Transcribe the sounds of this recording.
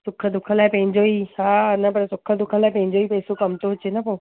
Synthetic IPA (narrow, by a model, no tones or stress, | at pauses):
sʊkʰəd̪ʊkʰə̃laːɪpɐ̃ɦɪ̃ɲd͡ʑoiːhaːnɐpɐɾsʊkʰəd̪ʊkʰə̃laːɪpɐ̃ɦɪ̃ɲ̆d͡ʑoipeːsokɐmt̪oʊt͡ɕenɐpoː